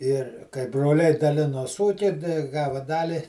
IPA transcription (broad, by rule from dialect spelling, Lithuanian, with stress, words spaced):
ɪr kɐɪ broːˈlʲɛɪ dɐˈlʲɪnoːs ˈuːkʲiː dɐɪ ˈɡɑːʋɐ ˈdɑːlʲɪ